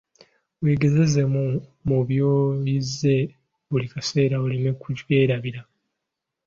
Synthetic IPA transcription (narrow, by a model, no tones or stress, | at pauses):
wiːɡe̞ze̞ze̞mumuβjoːjizːe̞ | βulikase̞ːɾaolime̞kuɟwe̞ːɾaβiɾa